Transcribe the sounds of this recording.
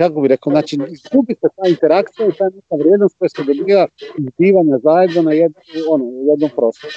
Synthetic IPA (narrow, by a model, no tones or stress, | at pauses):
kakobiɾe̞kaoznaːt͡ʃiizɡubiset̪aːint̪e̞ɾakt̪sijait̪oːjenekaʋɾjed̪noskojesed̪o̞biːʋaiɡd̪iːʋaɲazajed̪nonajed̪nonojed̪nompɾo̞ːst̪oɾu